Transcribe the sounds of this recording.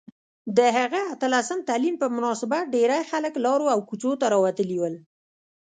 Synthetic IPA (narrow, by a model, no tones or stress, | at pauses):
d̪əɦaɣaat̪əlasəmt̪alimpəmʊnɑsɪbat̪̚ɖeɾajxaləklɑɾoawkut͡ʃot̪aɾɑwat̪əliwəl